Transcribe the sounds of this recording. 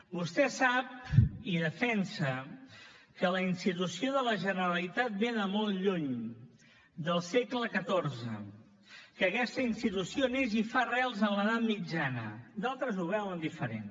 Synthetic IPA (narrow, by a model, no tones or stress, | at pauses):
bust̪ɛsap̚iðəfɛnsə | kələinst̪it̪usioðələʒənəɾəlit̪at̪̚beðəmolʎuɲ | d̪əlˠsekləkət̪orzə̰ | kəːkɛst̪əinst̪it̪usionezifarɛlˠzənləðat̪mid͡ʒanə̰d̪alˠt̪ɾəzuβɛlənd̪ifəɾḛn